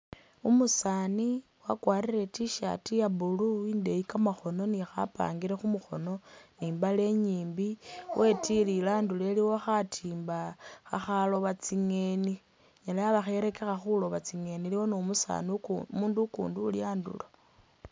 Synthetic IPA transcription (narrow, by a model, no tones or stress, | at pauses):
umusani | wakwaːrire̞tiʃa̰tijaβuluinde̞ikamaxo̞no̞nixa̰pa̰ːŋɡiɾexumuxo̞no̞niːmbale̞ɲiːmbiwʔe̞tililaːnduleliwoxatʰiːmbaxaxalo̞βat͡siŋe̞ni | ɲalajaβaxe̞ɾe̞ke̞xaxulo̞βat͡siŋe̞niliwonoumusa̰nimuːndukṵːnduːljaːndṵla